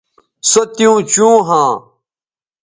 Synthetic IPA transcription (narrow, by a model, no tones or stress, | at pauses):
sɐt̪jũːt͡ɕũːɦãː